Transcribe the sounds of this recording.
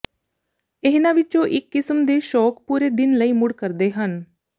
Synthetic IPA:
ɪɦnãːʋɪt͡ʃõːʔɪkːɪsəmd̪eːʃɔːkpuːɾeːd̪ɪnləiːmʊɽkəɾd̪eːɦən

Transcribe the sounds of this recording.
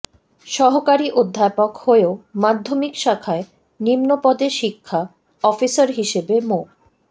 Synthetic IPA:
ʃɔɦokaɾiʔod̪ʱːapokhoeomad̪ʱːomikʃakʰae | nimnopɔd̪eʃikʰːa | ɔfisaɾɦiʃebemo

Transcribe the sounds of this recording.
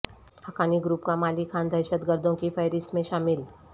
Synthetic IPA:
hɐkaːniɡɾuːpkamaːlikʰãːnd̪ʱɐjʃət̪ɡəɾd̪ʱõkifʰəjɾɪsmẽʃaːmɪl

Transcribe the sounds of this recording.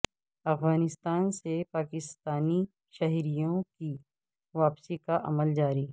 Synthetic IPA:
ɐfɣaːnɪst̪aːnsepaːkɪst̪aːni | ʃɐɦɾijõki | ʋaːpsikaʔɐ̰məld͡ʒaːɾiː

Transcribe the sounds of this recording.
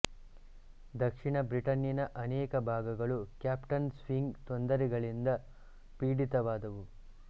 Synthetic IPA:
d̪ɐkʂiɳɐbɾiʈɐnjɐnɐʔɐnɛːkɐbʱaːɡɐɡɐɭukjaːpʈɐnsʋiŋɡt̪ond̪ɐɾiɡɐɭind̪ɐ | piːɽit̪ɐʋaːd̪ɐʋu

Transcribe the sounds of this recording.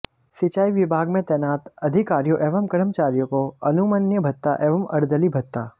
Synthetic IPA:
sɪt͡ʃaːiʋɪbʱaːɡmẽt̪ɛːnaːt̪ɐd̪ʱɪkaːɾijoʔeːʋəmkɐɾəmt͡ʃaːɾjokoɐnumənjəbʱɐt̪ːaʔeːʋəmɐ̰ɾd̪əlibʱɐt̪ːa̰ː

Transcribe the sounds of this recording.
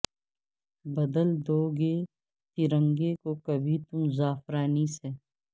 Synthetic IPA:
bɐd̪əld̪oːɡeː | t̪iɾə̃ŋɡeːkoːkɐbʱit̪ʊmzaːfɾaːniseː

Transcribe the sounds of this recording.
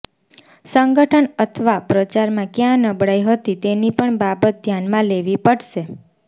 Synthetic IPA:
səŋɡəʈʰənət̪ʰʋapɾət͡ʃaɾmãkjãnəbɽaiɦət̪it̪enipəɳbabət̪̚d̪ʱjanmãleʋipəɽʃe

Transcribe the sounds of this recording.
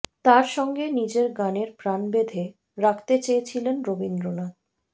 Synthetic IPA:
t̪aɾʃɔŋɡenid͡ʑeɾɡaneɾpɾanbed̪ʱe | ɾakʰt̪et͡ɕejet͡ɕʰilenɾobind̪ɾonad̪̚

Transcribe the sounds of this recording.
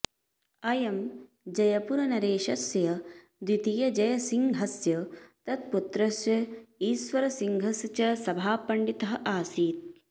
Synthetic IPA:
ɐjɐm | d͡ʒɐjɐpuɾɐnɐɾeːʃɐsjɐ | d̪wit̪ijɐd͡ʒɐjɐsiŋɡɦɐsjɐt̪ɐt̪̚put̪ɾɐsjɐiːsʋɐɾɐsiŋɡʱɐst͡ʃɐsɐbʱaːpɐɳɖit̪ɐɦɐ̆ʔaːsiːt̪̚

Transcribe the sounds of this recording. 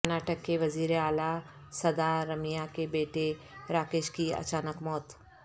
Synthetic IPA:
kɾnaːʈəkːeʋɐziːɾeaːla | sɐd̪aɾɐmijakebeːʈeɾaːkɪʃkiɐ̰t͡ʃaːnəkmɔːt̪

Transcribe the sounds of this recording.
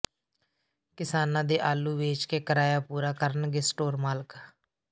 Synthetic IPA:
kɪsaːnãːd̪eːʔaːlːuːʋeːt͡ʃkeːkəɾaːjaːpuːɾaːkəɾənɡɪsʈoːɾmaːlək

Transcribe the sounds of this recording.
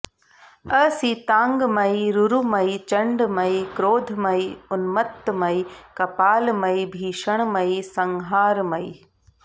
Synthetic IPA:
əːsiːt̪ãːŋɡmɐiɾuɾuːmɐit͡ɕɐɳɖmɐikɾoːd̪ʱmɐiʊnmət̪ːmɐikɐpaːlmɐibʱiːʃəɽ̃mɐisɐ̃ŋɦaːɾmɐḭː

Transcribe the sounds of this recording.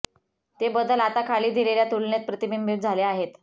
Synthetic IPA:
t̪ebəd̪ʱəlat̪akʰaliːd̪ʱileljat̪ulnjet̪̚pɾət̪imimbit̪̚d͡zʱaleaɦet̪

